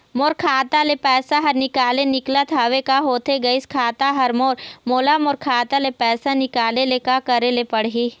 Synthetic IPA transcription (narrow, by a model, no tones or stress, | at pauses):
moːɾkʰaːt̪alepɛːsaɦɐɾnɪkaːlenɪklat̪ʰaːʋekaɦoːt̪eɡɐiskʰaːt̪aɦɐɾmoːɾmoːlamoːɾkʰaːt̪alepɛːsanɪkaːlelekakɐɾelepɐɽɦiː